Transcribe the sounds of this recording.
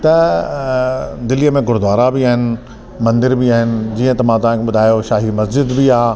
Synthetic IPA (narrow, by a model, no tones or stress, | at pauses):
t̪ɐ | d̪ɪlijəmẽɡʱʊɾd̪ʱʋaːɾabɪaːɦɪnɪ̆ | mɐ̃nd̪ɪɾbɪaːɦɪnɪ̆d͡ʑiːə̃t̪ɐmãt̪ɐʋ̤ãkʰeɓʊd̪ʱaːjoʃaːɦimɐsd͡ʑɪd̪bɪaː